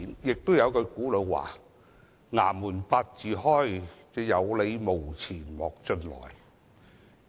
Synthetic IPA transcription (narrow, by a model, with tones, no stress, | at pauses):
njɪ˨k̚t̪o˥wjɐ˨˧wkɵ˨˧kuː˨˥lɵ˨˧wa̰ː˨˩ | ŋa̰ː˨˩muː˨˩npaː˧t̚t͡siː˨ɦɔː˥˩jt͡sɛː˧jɐ˨˧wle˨˧jmo˨˩wt͡sʰiː˨˩nmɔː˨k̚t͡ʃɵ˧nlɔ̰ː˨˩j